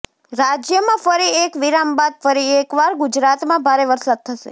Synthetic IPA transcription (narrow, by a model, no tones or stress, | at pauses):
ɾad͡ʒjəmãfəɾiekʋiɾambad̪̚fəɾiekʋaɾɡʊd͡ʒɾat̪mãbʱaɾeʋəɾsad̪̚t̪ʰəʃḛ